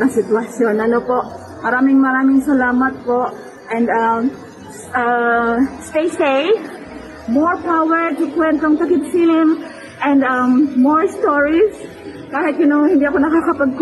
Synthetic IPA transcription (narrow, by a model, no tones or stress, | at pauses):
ɐŋsɪt̪wɐsjonʔɐnopoʔ | mɐɾaːmɪŋmɐɾaːmɪŋsɐlaːmɐt̪̚poʔ | ʔɛ̃nd̪am | a | st̪ejsej | moɹpawɛɹt̪ʊkwɛnt̪oŋt̪ɐkɪt̪film | ʔɛ̃nd̪amːoɹst̪oɹis | kaːhɪt̪̚kɪnoŋhɪnd̪iʔɐko̞nɐkakɐpɐɡ̚k